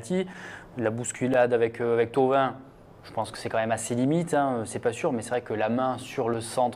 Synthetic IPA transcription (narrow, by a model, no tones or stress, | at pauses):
t̪ilabuskʲylad̪avɛkøavɛk̚t̪ovɛ̃ | ʒ̥əpɑ̃skə̥sɛkɑ̃mɛmaselimit̪ɛ̃øsɛpasyʁmɛsɛvʁɛkəlamɛ̃syʁləsɑ̃t̪